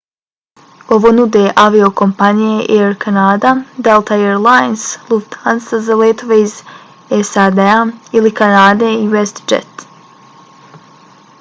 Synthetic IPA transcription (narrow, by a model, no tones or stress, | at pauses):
o̞ʋo̞nud̪eʔaʋio̞ko̞mpanijeʔeɾkʰanaːd̪ad̪elˠt̪ʰaeɾlˠajnsluft̪hansazaleːt̪oʋeiz | esad̪eailikanaːd̪e̞iwest̪d͡ʒḛt̪